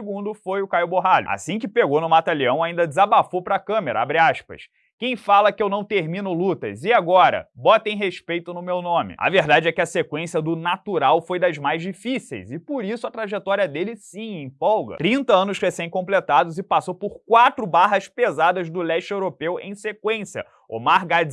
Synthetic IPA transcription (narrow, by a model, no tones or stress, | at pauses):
sɪɡũnd̪ʊfojʊkajʊboɦaʎʊa̰sĩkɪpeɡonʊmat̪aliɐ̃w̃aĩnd̪ɐd͡ʒɪzabafopɾɐkɐ̃meɾɐ̰abɾiaʃpɐ̰s | kẽj̃falɐkɪewnɐ̃w̃t̪eɾmĩnʊlut̪ɐ̰zɪaɡɔɾɐ̰bɔt̪ẽj̃ɦeʃpejt̪ʊnʊmewnõmɪ̰ɐ̰veɾd̪ad͡ʒɪɛkɪɐsekwẽsiɐd̪ʊnat̪uɾawfojd̪ɐzmajzd͡ʒifisḛjzɪpʊɾisʊɐt̪ɾaʒet̪ɔɾiɐd̪elɪsĩiẽpɔwɡɐ̰t̪ɾĩnt̪ɐɐ̃nʊʃʁesẽj̃kõmplet̪ad̪ʊzɪpasowpʊɾkwat̪ɾʊbaɦɐspezad̪ɐzd̪ʊlɛʃt͡ʃewɾopewḛ̃j̃sekwẽsjɐ̰ | o̰maɾɡad͡ʒ